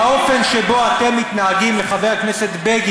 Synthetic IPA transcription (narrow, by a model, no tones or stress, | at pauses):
ao̞fe̞nʃebo̞at̪e̞mːit̪naaɡimleχaveʁkne̞set̪beɡ